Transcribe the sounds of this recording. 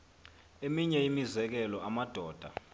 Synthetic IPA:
emiɲɛimizɛk̬ɛlɔamad̥ʱɔːd̥ʱa

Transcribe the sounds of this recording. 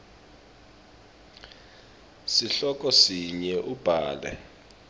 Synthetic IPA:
siɬɔk̬ʼɔsiɲɛʔub̥ʱaːlɛ̰

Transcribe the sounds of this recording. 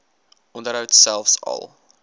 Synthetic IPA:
ʔɔndəɾɦəwtsælˠfsɐ̰lˠ

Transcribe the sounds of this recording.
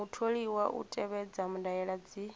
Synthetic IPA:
utʰoɺiwaʔṵtʼɛβɛd͡zamundajɛɺad͡zi

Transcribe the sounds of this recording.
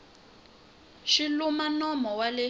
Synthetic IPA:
ʃilumanɔmɔwalɛ

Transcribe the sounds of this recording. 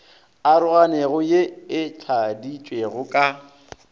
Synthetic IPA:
aɾʊɣaneɣʊjeɪt͡ɬʰadit͡ʃʼweɣʊkʼa

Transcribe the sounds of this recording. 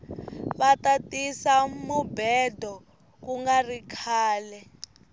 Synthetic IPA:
βatatisamubɛdʱɔ | kuŋɡarikʰaːlɛ

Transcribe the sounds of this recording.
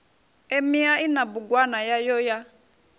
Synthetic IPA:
emiainabuɡwanajajɔja

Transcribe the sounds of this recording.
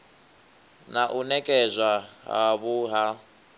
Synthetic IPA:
naʔunɛkʼɛzʷwaɦa̰βuɦa

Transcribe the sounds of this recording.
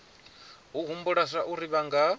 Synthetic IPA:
ɦuɦumbuɺasaʔuɾiβaŋɡa

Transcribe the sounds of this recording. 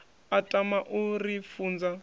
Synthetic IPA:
atʼamaʔurifuːnd͡za

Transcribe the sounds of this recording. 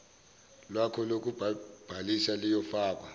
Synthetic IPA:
lwakʰɔlok̬ub̥ʱalisalijɔfaːk̬ʼwa

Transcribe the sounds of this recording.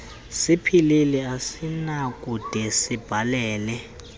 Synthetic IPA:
sipʰililɛasinakʼud̥ʱɛsib̥ʱalɛːlɛ

